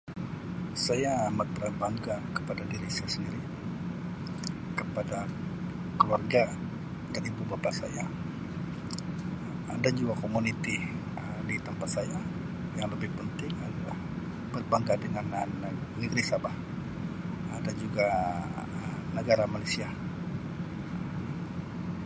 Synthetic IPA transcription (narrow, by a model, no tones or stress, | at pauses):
sajaːmat̪̚bəɾabaŋɡakə̥padadiɾisasəndiɾi | kəpada | kəluarɡa | daɾibubapasa̰ja | dand͡ʒuɡakomunit̪i | ə | dit̪əmpat̪̚saja | jaŋləbɪhpənt̪ɪŋadalah | b̥ərbaŋkadəŋanənəɡɾisabah | dand͡ʒuɡa | ənəɡaɾamalajsia | əm